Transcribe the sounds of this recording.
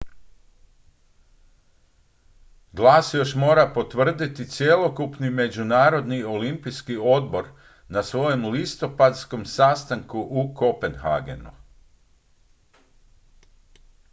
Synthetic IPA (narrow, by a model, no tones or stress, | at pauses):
ɡlˠaːsjo̞ʃmo̞ːɾapo̞t̪ʋr̩d̪it̪it̪sje̞lˠo̞kupnime̞d͡ʑunaːɾo̞d̪nio̞limpijskio̞d̪bo̞ɾ | nasʋo̞je̞mlist̪o̞pad̪sko̞msast̪aŋkuʔukopenxa̰ɡḛnṵ